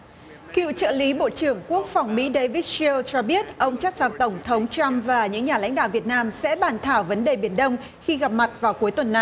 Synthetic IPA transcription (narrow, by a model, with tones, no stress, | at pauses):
kḭ˧˨wt͡ɕə̰ː˧˨li˨˦ɓo̰˧˨t͡ɕɨ˧˩əŋku˦˥ək̚fa˨˩wŋ͡mmḭ˧˥ɗə˧jvi˦˥t̚sɛ˧lt͡ɕɔ˧ɓi˦˥ət̚ʔə˧wŋ͡mt͡ɕa˦˥k̚za˨˩ŋt̪ə˧˩wŋ͡mt̪ʰə˨˦wŋ͡mt͡ɕa˧mvaː˨˩ɲɨ̰˧˥ŋɲaː˨˩la̰˧˥jŋ̟ɗa̰ː˧˨wvi˨˩ət̚naː˧msɛ̰˧˥ɓaː˧˩nt̪ʰaː˧˩wvə˨˦nɗe˨˩ɓi˨˩ənɗə˧wŋ͡m | xi˧ɣa˨˩p̚ma˨˩t̚vaː˨˩wku˨˦jt̪wə˨˩nːa˧˩j